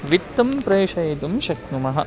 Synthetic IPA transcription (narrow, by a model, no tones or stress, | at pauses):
ʋit̪ːɐmpɾɐjiʂɐjt̪umʃɐknumɐɦɐ̰